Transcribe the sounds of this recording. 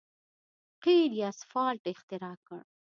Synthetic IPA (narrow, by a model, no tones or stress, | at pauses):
qeɾasfɑːlʈɪxt̪ɪɾɑːkə̰ɽ